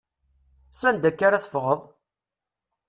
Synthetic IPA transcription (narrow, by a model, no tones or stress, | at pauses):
sænd̪ækːaɾaθəfʁəðˤ